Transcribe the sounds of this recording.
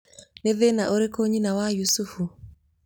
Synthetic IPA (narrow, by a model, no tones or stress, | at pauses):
neðenaʔoɾekoɲinawajusufu